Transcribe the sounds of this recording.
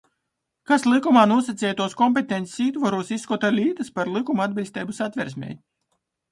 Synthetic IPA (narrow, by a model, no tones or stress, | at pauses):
kaslˠikumaːnuɔsat̪sʲɛːjt̪uɔskɔmp̬ʲet̪eɛnt̪ʲe̥siːt̪vaɾuːsisːkɔt̪alʲiːt̪ɨspaɾlˠikumuad̪bʲilʲst̪ɛːbusat̪ʲvʲɛɾsʲmʲɛ̰j